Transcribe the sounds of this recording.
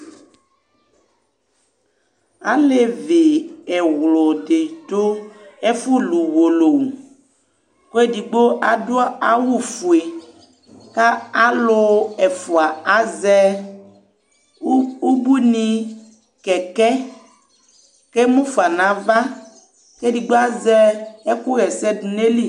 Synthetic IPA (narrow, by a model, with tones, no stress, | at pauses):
a̰˦le˨ve˨e˨ɣlo˨ɖe˨t̪o˦e˦fu˦lu˨wo˨lo˨ | ko˦e˦di˨ɡ͡bo˦ʔa˨do˦a˦a˨wu˦fu˨e˨ | ka˦a˦lo˦e˨fu˨a˨a˨zɛ˦ | u˦bu˦nĩ˨ | kɛ˨kɛ˦ | ke˦mũ˦fu˨a˨nã˨va˦ | ke˦di˨ɡ͡bo˦a˦zɛ˦e˦ku˦ɣɛ˨sɛ˦du˨ne˦li˦